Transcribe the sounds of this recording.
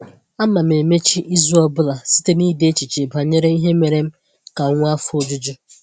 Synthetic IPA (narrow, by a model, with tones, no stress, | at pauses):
a˦ma˨m̩˨e˨me˦t͡ʃi˦ʔi˦zu˦ɔ˦bʊ˦la˨si̥˦te˦ni˦de˦t͡ʃi˨t͡ʃe˨ba˨ɲe˦ɾe˦i˦ɦe˦me˨ɾe˦m̩˦ | ka˨˦ŋʷʊ˦a˦fʊ˦d͡ʒu˦d͡ʒʊ˦